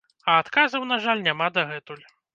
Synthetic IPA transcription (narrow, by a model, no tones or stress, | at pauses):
ɐat̪kazɐwnaʐalʲnʲamad̪ɐɣɛt̪ulʲ